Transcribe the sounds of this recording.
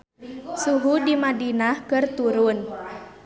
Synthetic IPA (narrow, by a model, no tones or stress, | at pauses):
suɦudimadinahkɨrt̪uɾʊn